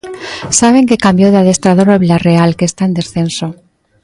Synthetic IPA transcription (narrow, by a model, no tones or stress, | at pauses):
saβ̞e̞ŋkekambjoð̞eaðe̞st̪ɾað̞oɾoβilarealkest̪aend̪e̞sθe̞nso̞